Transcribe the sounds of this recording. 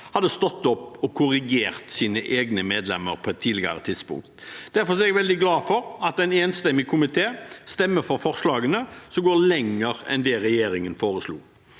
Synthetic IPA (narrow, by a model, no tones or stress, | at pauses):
hɑd̪ːəst̪ɔt̪ːɔpːɔkʰʊɾɪɡeːʁt̪siːnəʔeːɡnəmeːd̪lɛmːəɾpʰɔɛt̪ʰːiːlɪɡə̰ɾət̪ʰɪd̪spʊ̰ŋk̚t̪d̪̥æɾfɔsɔɛɡʋɛld̪ɪɡlɑːfɔɾɑt̪ɛɪneːnst̪ɛmːɪkʰʊmɪt̪ʰeːst̪ɛmːəɾfɔɾfɔʁʂlɑːɡənəsɔmɡoːlɛŋːəɾɛ̰nd̪ɛːʁɛjeːɾɪŋənfoːɾəslṵː